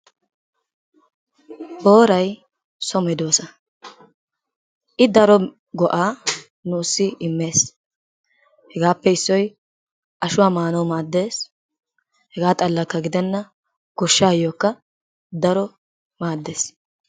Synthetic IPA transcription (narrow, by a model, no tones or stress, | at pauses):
ʔo̞ːɾɐj | sɔmɛd̪oːsɐ | ʔɪd̪ɐɾɔ | ɡɔʔaː | nuːsːɪɪmːe̞ːs | hɛɡaːpːɛɪsːɔj | ʔɐʃʊwaːmaːnɐwmaːd̪ːe̞ːs | hɛɡaːt̪ʼɐlːɐkːɐɡɪd̪ɛnːɐ | ɡ̥ɔʃːaːjoːkːɐ | d̪ɐɾɔ | maːd̪ːe̞ːs